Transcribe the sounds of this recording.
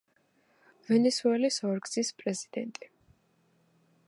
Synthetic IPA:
vɛnɛsuɛlisɔɾɡzispʼɾɛzid̪ɛ̰nt̪ʼi

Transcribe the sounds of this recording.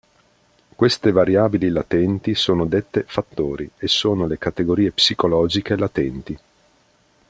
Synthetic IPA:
kwest̪evaɾjaːbililat̪ɛnt̪isoːnod̪et̪ːefat̪ːoːɾiesoːnolekat̪eɡoɾiːepsikolɔːd͡ʒikelat̪ɛnt̪i

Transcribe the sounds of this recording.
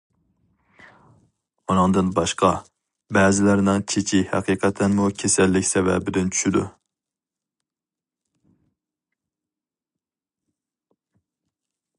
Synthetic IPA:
unɨŋd̪ɨnbɑʃqɑ | bɛːzɪlæɾnɪŋt͡ʃʰet͡ʃʰihæ̰qʰiːqʰɛt̪ʰɛnmukʲʰesɛlːɪkʲsɛvɛ̰bɪd̪ɪnt͡ʃʰy̥ʃyd̪ṵ

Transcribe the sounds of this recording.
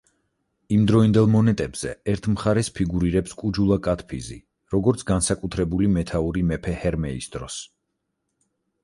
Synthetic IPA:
imd̪ɾɔind̪ɛlˠmɔnɛt̪ʼɛbz̥ɛɛɾt̪ʰmχaɾɛspʰiɡuɾiɾɛpskʼud͡ʒulˠakʼat̪ʰpʰizḭ | ɾɔɡɔɾt̪sʰɡansakʼut̪ʰɾɛbulimɛt̪ʰauɾimɛpʰɛhɛɾmɛḭsd̪ɾɔs

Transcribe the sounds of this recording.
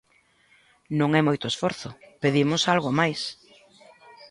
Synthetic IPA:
nõŋɛmojt̪oesfɔɾθʊpeðimʊsalɣomajs

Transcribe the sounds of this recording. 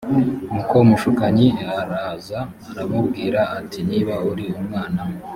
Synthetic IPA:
ŋukomuʃukaɲiaɾaːzaː | ɾamubɡiːɾaːtiniβauɾiumŋaːna

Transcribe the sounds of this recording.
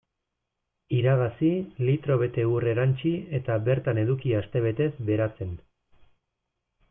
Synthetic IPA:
iɾaɣasilit̪ɾo̞β̞e̞t̪e̞ure̞ɾant͡ʃie̞t̪aβe̞ɾt̪ane̞ðukiast̪e̞β̞e̞t̪e̞zbe̞ɾat͡se̞n

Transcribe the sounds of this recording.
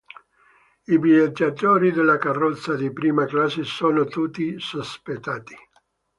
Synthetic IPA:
ibied͡ʒat̪oːɾid̪elːakarːɔt̪sːad̪ipɾiːmaklasesoːnot̪ut̪ːisospet̪ːaːt̪i̥

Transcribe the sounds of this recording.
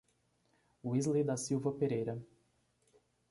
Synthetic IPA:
wizlejd̪asiwvɐpeɾejɾɐ

